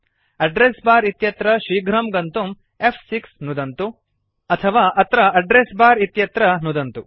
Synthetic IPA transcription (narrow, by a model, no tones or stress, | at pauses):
ɐɖɾeːsbaːɾit̪jɐt̪ɾɐʃiːɡʱɾɐmɡɐnt̪um | epʰsiksnud̪ɐnt̪u | ɐt̪ʰɐʋaːʔɐt̪ɾɐɐɖɾeːsbaːɾit̪jɐt̪ɾɐnud̪ɐnt̪u